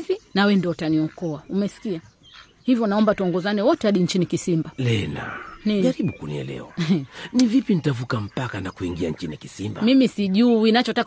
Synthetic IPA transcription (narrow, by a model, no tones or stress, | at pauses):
vinawɛndiɔtaniɔkɔaumɛsi̥kia | hivjɔnaɔmbatuɔŋɡɔzanɛwɔtɛaɗiɲt͡ʃinikisimbalɛla̰naɾiɓukunḭɛ̰lɛ̰ɔ̰nivipinitavukam̩pakanakuiŋɡiaɲ̩t͡ʃinikisimbamimisiʄuinat͡ʃɔtak